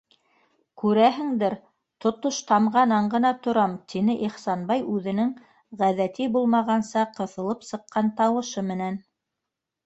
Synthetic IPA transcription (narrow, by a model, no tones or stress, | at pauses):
kʉɾæɦɘ̆ŋd̪ɘɾ | t̪ŏt̪oʃt̪ɑmʁɑnɑɴɢɤ̆nɑt̪ŏɾɑmt̪ʰinɘʔiχsɑnbɑjʉðɘ̆nɘŋ | ʁæðæt̪ibulˠmɑʁɑnsɑqɤ̆θɤ̆lˠɤpsɤ̆qːɑnt̪ɑwɤ̆ʃɤmɘ̆næn